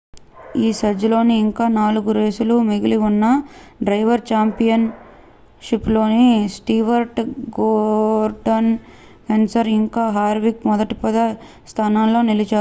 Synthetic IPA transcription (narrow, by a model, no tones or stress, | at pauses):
iːsɐd͡ʒulo̞ːniːŋkaːnaːluɡuɾeːsulumiɡiliunːɐɖɾɐjʋɐɾt͡ʃaːmpijɐn | ʂiplo̞ːnisʈiːʋɐɾʈɡoːɾɖɐn | kensɐɾiŋkaːɦaːɾʋikmɔd̪ɐʈipɐd̪ɐ | st̪ʰaːnaːnːo̞ːnilit͡ʃaː